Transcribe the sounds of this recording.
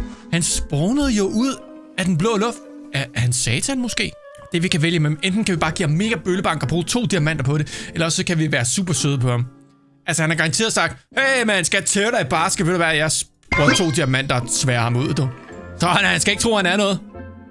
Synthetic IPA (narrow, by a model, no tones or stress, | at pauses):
hænsb̥ɒːnəð̞ˠjo̝ʔuð̞̰ˠ | æd̥enb̥lɔ̽ːlɔ̽fd̥ | æhænsɛːt͡sʰænmosɡ̥e̝̰ː | d̥e̝ʋikʰæʋeljəmenen̰d̥n̩kʰæʋib̥ɑ̈ːɡ̥ḭːɑmme̝ːɡ̥æb̥øləb̥ɑ̈ŋ̰ɡ̥ɒb̥ʁuːt͡sʰo̝̰ːd̥iɐmæn̰d̥ɐpʰɒ̽ɾ̥e̝elɐɒ̽ssɒ̽kʰæʋiʋæːɐsṵːb̥ɐsøð̞ˠəpʰɒ̽ɑm | ælsɐhænhæɐɡ̥ɑ̈ɑ̈nt͡sʰe̝̰ɐð̩ˠɒsɑ̈ɡ̥̚d̥hemenhænsɡ̥æt͡sʰeːʊd̥ɾɑɪb̥ɑ̈ːsɡ̥əbøð̥ɐbæɐjɑ̈ɪs | ʁuɐt͡sʰo̝̰ːd̥iɐmæn̰d̥ɑ̈sʋɛːɐhɑ̈muð̞̰ˠd̥osɒhænhænsɡ̥æe̝ɡ̥̚t͡sʰʁo̝̰ːhænæɐnɔ̽ːð̞̩ˠ